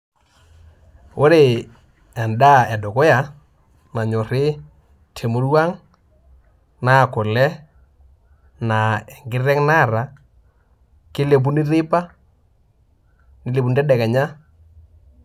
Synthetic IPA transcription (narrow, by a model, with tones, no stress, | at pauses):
o˦ɾe˨ | a˨nda˦ɛ˨dɔ˨kɔ˦ja˨ | na˨ɲɔ˨ɾe˦ | tʰe˨mo˦ɾu˦a˦ŋ | na˦˨ko˨lɛ˦ | na˨ɛ˨ŋɡɪ˦rɛ˦ŋna˦˨ɾa˨ | kɪ˦le˨p̬u˦nɪ˦ɾɪ˦pa˦ | nɪ˦le˨pu˨n˨ɾɛ˦dɛ˨kɛ˨ɲa˦